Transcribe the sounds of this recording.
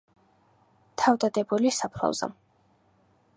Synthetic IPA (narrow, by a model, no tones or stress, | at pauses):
t̪ʰavd̪ad̪ɛbulisapʰla̰vza̰